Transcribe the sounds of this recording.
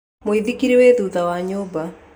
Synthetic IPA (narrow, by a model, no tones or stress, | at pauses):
moiðikiɾeweðuðawaɲoba